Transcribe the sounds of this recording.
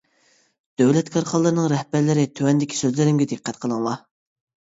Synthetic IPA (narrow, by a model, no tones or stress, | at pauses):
d̪̥øwlɛt̪kʰɑɾχɑlˠːɨɾɨnɨŋɾɛhbæɾlɪɾɪt̪ʰøwɛnd̪ɪkʲʰi̥søzlɪɾɪmɡʲɛd̪ɨqʰːɛt̪̚qʰəlˠɨŋlˠɑ